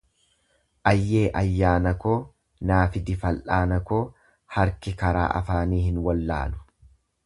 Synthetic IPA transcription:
ʔɐjːeːʔɐjːaːnɐkoː | naːfɪd̪ɪfɐlʔaːnɐkoː | hɐɾkɪkɐɾa̰ːʔɐ̰faːniːhɪnwɐlːa̰ːlʊ̥

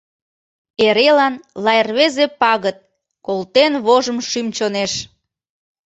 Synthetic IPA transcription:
eɾelɑnlɑjerβezepɑɣət̪̚ | kolt̪enβoʒəmʃymt͡ɕoneʃ

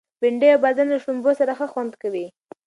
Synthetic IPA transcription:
bɪɳɖeawbad̪anlaʃʊmbosaɾaxəxwand̪kawi

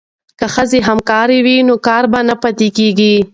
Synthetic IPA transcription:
kəxəzeɦamkɑɾewinokɑɾbanapat̪ekeɡi

